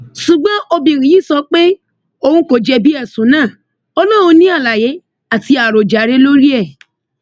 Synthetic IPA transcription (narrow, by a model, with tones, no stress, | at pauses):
ʃu˨ɡ͡bɔ̃˨˦ʔo˧bĩ˨ɾ̃ĩ˨ji˦˨sɔ˧k͡pe˦ | o˧hũ˧ko˨d͡ʒɛ˧bi˦ɛ˦˨sũ˨˦nãː˦˨ | ɔ˧lɔ˦ũ˧nĩ˦a˦˨la˨je˨˦ | a˨ti˧a˨ɾo˨d͡ʒa˨˦ɾe˧˦lo˦ɾi˦ɛ˦˨